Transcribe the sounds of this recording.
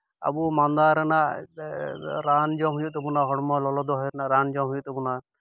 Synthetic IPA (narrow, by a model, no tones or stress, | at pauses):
a̰bumand̪aɾɛnaʔ | ɾand͡ʒɔɦujut̪ɛbunaɦɔɽmɔlɔlɔd̪ɔɦɔɾɛnaɾand͡ʒɔɦujut̪ɛbuna